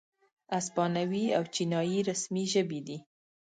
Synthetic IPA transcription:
aspɑnawiawt͡ʃinɑjiɾasmiʒəbid̪i

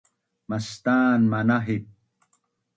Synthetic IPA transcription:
mɐst̪aːnmɐnaɦit̚

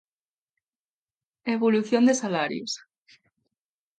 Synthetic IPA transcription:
eβoluθjond̪esalaɾjos

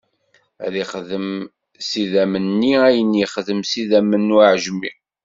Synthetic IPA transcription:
ðiχðəm | siðæmənːiæjəniχðəmsiðæmənːuʕʒmi

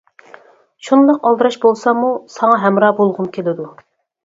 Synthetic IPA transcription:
ʃunlˠəqɑlˠd̪ɨɾɑʃbolˠsɑmusɑŋɑɦɛmɾɑːbolˠʁʊmkʲʰelɪd̪u

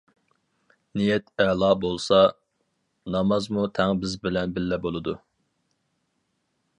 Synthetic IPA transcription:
nijɛt̪ʰɛlˠɑːbolˠsɑ | nɑmɑzmut̪ʰɛŋbɪzbɪlɛnbɪlːɛbolˠɨd̪u

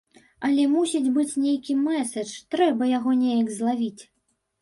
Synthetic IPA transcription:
ɐlʲɛmusʲid͡zʲbɨt͡sʲnʲejkʲimɛsɐt͡ʂt̪ɾɛbɐjaɣɔnʲejɐɡzlˠavʲit͡sʲ

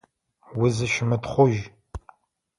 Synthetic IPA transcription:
wʊzɨʃɪmɨtχʷʊʒ

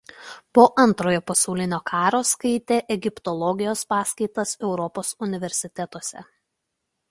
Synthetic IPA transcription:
poːʔɐnˑt̪ɾoːjoːpɐsɐʊlʲɪnʲoːkʰɑːɾoːskɐɪt̪ʲeːʔɛɡʲɪpt̪ɔlˠɔɡʲɪjoːspɑːsʲkɐɪt̪ɐsɛʊɾɔpoːsʊnʲɪʋʲɛɾʲsʲɪt̪ʲɛt̪oɔsʲɛ̰

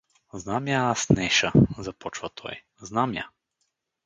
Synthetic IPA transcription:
znamjasnɛʃazɐpɔt͡ʃvɐt̪ʰɔ̰j | znamja̰

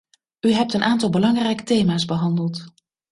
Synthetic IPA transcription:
yɦɛp̚tənʔaːntɑlˠbəlɑŋrɛjkə̥tejmaːzbəɦɑndəlˠt

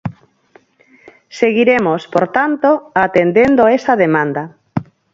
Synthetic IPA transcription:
seɣiɾemospoɾt̪ant̪oat̪end̪end̪oesaðemãnd̪a

